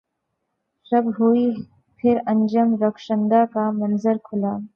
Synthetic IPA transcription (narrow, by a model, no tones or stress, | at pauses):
ɾɐbɦui | pʰɪɾɐ̃nd͡ʒəmɾɐkʃə̃nd̪akamɐnzəɾkʰʊlaː